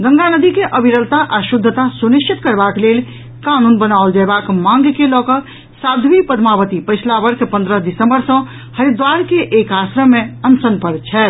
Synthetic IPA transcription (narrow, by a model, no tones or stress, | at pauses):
d̪ə̃ŋɡanəd̪ikeʔəbiɾəd̪ʱt̪aʔasud̪ʱːət̪asunist͡ʃit̪kəɾbaklel | kanunbənaʊld͡ʒaebakmãŋɡkelɔkə | sad̪ʱʋipəd̪ʱmabət̪ipəɪsʰlabəɾkʰpə̃nd̪ɾəsd̪isəmbəɾsə̃ | həɾid̪ʋaɾkeʔːkasɾəmeənsənpəɾt͡ʃʰɛ